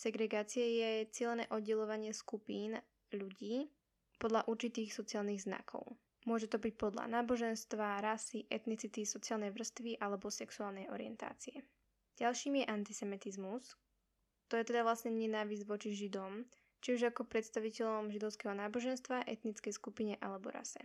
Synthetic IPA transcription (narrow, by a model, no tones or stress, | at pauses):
sɛɡɾɛɡaːt͡siɛjɛt͡sɪɛlɛnɛ̰ːʔɔd̪ɟɛlɔʋaɲɪɛskupiːn | ʎuɟiː | pɔd̪ʎaʔuɾt͡ʃit̪iːxsɔt͡siaːlˠniɣzna̰kʰɔ̰ʊ | mʊɔʒɛt̪ɔbic̚pɔd̪la̰naːbɔʒɛnst̪ʋaɾasiʔɛt̪nit͡sit̪isɔt͡siɪaːlˠnɛjʋr̩st̪ʋiʔalɛbɔsɛksuaːlˠnɛjɔ̰ɾiɛ̰nt̪a̰ːt͡siɛ | ɟalʃiːmjɛʔant̪isɛmit̪izmus | t̪ɔjɛt̪ɛd̪aʋlasɲɛɲɛnaːʋizɟʋɔt͡ʃiʒid̪ɔm | t͡ʃiuʒakɔpɾɛt̪st̪aʋicɛʎɔmʒid̪ɔʊskɛɦɔnaːbɔʒɛnst̪ʋaʔɛt̪nit͡skɛjskupiɲɛʔalɛbɔ̰ɾa̰sɛ̰